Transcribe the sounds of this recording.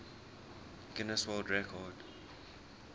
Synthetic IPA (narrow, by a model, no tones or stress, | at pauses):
ɡ̥ɪnəswɛldɹɛkʰɔd